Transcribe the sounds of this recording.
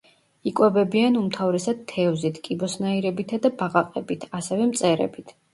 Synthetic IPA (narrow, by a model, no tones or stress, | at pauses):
ikʼwɛbɛbianumt̪ʰavɾɛsad̪̥̚t̪ʰːɛvzit̪ʰkʼibɔsnaiɾɛbit̪ʰad̪abaʁaqʼɛbit̪ʰasɛvɛmt̪sʼɛɾɛ̰bit̪ʰ